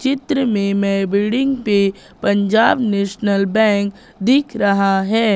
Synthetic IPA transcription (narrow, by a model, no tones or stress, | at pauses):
t͡ʃɪt̪ɾəmẽmɛ̃bɪɖɪ̃ŋɡpe | pɐ̃ɲd͡ʒaːbnɛːʃnəlbɛ̃ːŋk | d̪ɪkʰɾɐɦaɦɛː